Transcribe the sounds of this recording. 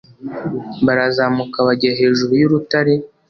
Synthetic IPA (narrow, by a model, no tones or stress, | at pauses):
βaɾazaːmukaβaɟiɾaɦe̞ːʒuɾujuɾutaɾi